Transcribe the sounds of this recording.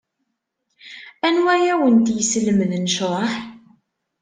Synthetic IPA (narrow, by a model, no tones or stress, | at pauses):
ænwæjæwənt̪jəsləməðnəʃɾˤɑħ